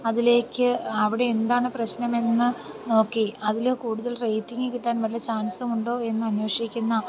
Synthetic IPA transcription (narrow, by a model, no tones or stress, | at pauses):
ɐðile̞ːkʲːɨɐʋiɽe̞ːnd̪aːɳɨprɐɕnɐme̞nːɨ | o̞ːkːe̞ɐðilokuːɽuðɐlre̞jtːiŋɡɨkiʈːaːnʋɐlijɐt͡ɕaːnsɐmuɳɖo̞ːe̞nːɨɐnweʂikʲːunːɐ